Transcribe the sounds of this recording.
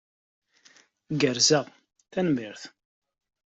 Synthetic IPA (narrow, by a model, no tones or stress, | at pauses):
ɡəɾzæʁ | θænmiɾθ